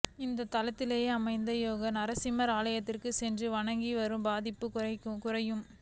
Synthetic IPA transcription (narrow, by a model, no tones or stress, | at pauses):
ɪnd̪ɐt̪ɐlɐt̪ːɪleːjeːɐmɐɪnd̪ɐjoːɣɐnɐɾɐsɪmɐɾaːlɐjɐt̪ːɪrkɯsɛndrɯʋɐɳɐŋɡiʋɐɾɯmbaːðɪpːɯkʊɐkːɯkʊrɐjɯm